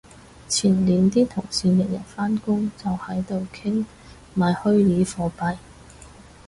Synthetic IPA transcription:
t͡sʰiː˨˩nliː˨nt̪iː˥t̪ʰʊ˨˩ŋsiː˨˧mɪ˨˩t̚jɐ̰˨˩nfaː˥nkʊ˥ŋt͡sɐ˨whɐ˨˥jt̪o˨˧wkʰɪ˥ŋ | maː˨˧jhɵ˥ɥliː˨˥fɔː˨˧pɐ˨˧j

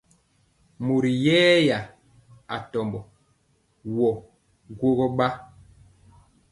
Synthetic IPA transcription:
mo˨ɾi˨jɛː˦ja˨ | a̰˨tɔ˨mbɔ˨ | wɔ˨ | ɡwo˦ɣɔ˦ɓa˦

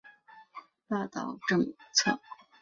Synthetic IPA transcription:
t̪a˥˧t̪ɑ̰˨˩ʊʈ͡ʂɤ˥˧ŋt͡sʰɤ˥˩

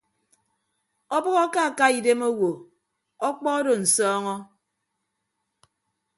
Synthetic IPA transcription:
ɔ˦bɔ˦ɣɔ˦ka˦a˨ka˦i˨de˦mo˦wo˨ | ɔ˦k͡pɔ˦ɔ˦do˨n̩˨sɔː˦ŋɔ˦

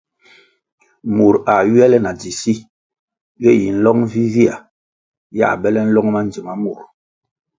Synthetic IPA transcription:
mu˨ɾa˨ɥɛ˦lɛ˦na˨d͡zi˨si˦ | jɛ˦˨ji˨n̩˦lɔ˦ŋvi˦vi˦a̰˨ | ja̰˦˨bɛ˦lɛ˦n̩˦lɔ˦ŋ˦ma˦n˨d͡zi˨ma˦mu˨ɾ

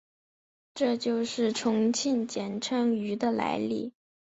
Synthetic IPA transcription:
ʈ͡ʂɤ˥˧t͡ɕjo˥˧ʊʂɻ̩˥˩ʈ͡ʂʰʊ˧˥ŋt͡ɕʰi˥˩nt͡ɕjɛ˨˩nʈ͡ʂʰɤ˧˥ŋy˧˥d̪ə˧la̰˧˥ɪlḭ˥˩

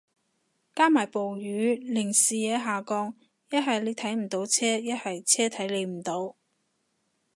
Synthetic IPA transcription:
kaː˥maː˨˩jpo˨wjyː˨˧˥lɪ˨˩ŋsiː˨jɛː˨˧ɦaː˨kɔː˧ŋ | jɐ˥t̚ɦɐ˨jle˨˧jt̪ʰɐ˨˥jm̩˨˩t̪o˨˥wt͡sʰɛː˥jɐ˥t̚hɐ˨jt͡sʰɛː˥t̪ʰɐ˨˥jle˨˧jm̩˨˩t̪o˨˧˥w

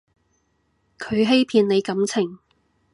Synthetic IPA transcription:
kʰɵ˨˧ɥɦe˥jpʰiː˨˧nle˨˧jkɐ˨˥mt͡sʰɪ˨˩ŋ

